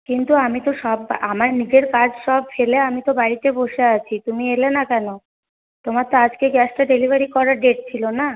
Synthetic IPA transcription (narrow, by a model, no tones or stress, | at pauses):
kint̪uamit̪oʃɔbamaɾnid͡ʑeɾkad͡ʑʃɔb̚feleamit̪obaɽit̪eboʃeat͡ɕʰit̪umielenakɛno | t̪omaɾt̪oad͡ʑkeɡɛsʈaɖelibʱaɾikɔɾaɾɖeʈ̚t͡ɕʰilona